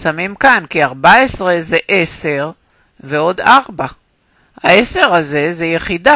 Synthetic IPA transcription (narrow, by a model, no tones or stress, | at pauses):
samimkankiaʁbaesʁe̞zeʔese̞ʁ | ve̞o̞d̪aʁba | haese̞ʁaze̞zejeχida